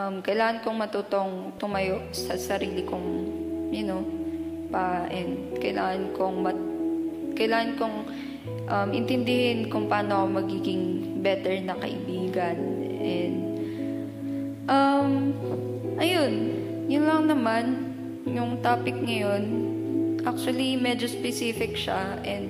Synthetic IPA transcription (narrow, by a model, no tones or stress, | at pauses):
ʔɐmkɐjlaːŋɐnkoŋmɐt̪uːt̪o̞ŋ | t̪ʊmɐjo̞ʔsɐsɐɾiːlɪkoŋjʊno̞ | paʔɛnd̪kɐjlaːŋɐnkoŋmɐ | kɐjlaːŋɐnkoŋ | ʔɐmʔɪnt̪ɛnd̪ɪhɪnkʊŋpɐʔaːnokomɐɡiːɡɪŋbɛt̪ɛɹnɐkɐ̰ʔɪ̰biːɡɐnʔɛnd̪̚ | ʔɐm | ʔɐjo̞n | jʊnlɐŋnɐman | jʊŋt̪aːpɪk̚ŋɐjo̞nʔak̚t͡ʃʊwɐlimɛd͡ʒo̞spɛsifɪk̚ʃa | ʔɛnd̪